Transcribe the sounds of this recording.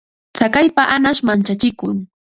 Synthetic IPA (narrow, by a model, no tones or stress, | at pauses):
t͡sakajpaʔanaʃmant͡ʃat͡ʃɪkʊŋ